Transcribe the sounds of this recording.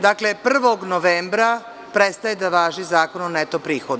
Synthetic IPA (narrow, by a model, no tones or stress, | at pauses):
d̪akle̞pr̩ʋo̞ɡnoʋeːmbɾa | pɾet̪st̪ajed̪aʋaːʒizaːko̞nonet̪opɾiːxod̪